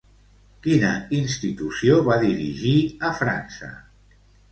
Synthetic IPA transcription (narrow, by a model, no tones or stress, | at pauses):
kinəinst̪it̪usioβaðiɾiʒiəfɾa̰nsə̰